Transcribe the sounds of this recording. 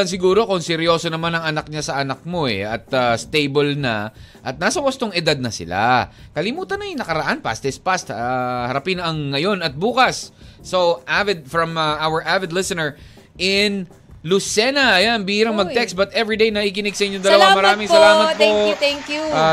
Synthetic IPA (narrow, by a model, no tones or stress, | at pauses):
ɐns̬ɪɡuːɾo̞konsɪɾjo̞ːso̞nɐmanɐŋɐnɐk̚ɲasɐʔɐnak̚mo̞ɛ̰ɐ̰t̪ast̪ejbolnɐ̰ʔɐt̪̚naːsɐwɐst̪oŋɪd̪ad̪̚nɐsɪ̰la̰kɐlɪmuːt̪ɐnɐjnɐkɐɾɐʔanpa̰st̪ɪspast̪ahɐɾɐpɪnʔɐŋːɐjo̞nɐt̪̚buːkɐsːowʔavɪd̪̚fɹɐmɐʔawəɹʔavɪd̪lɪsɪnɛɹ | ʔɪn | lusɛnɐʔɐjanbiːɾɐŋmɐɡt̪ɛkst̪̚bɐt̪ʔɛvɹid̪ejnɐʔik̬ɪnɪɡ̚sɐʔɪɲːod̪ɐlɐwamɐɾaaːmɪŋsɐlaːmɐt̚poɛŋkju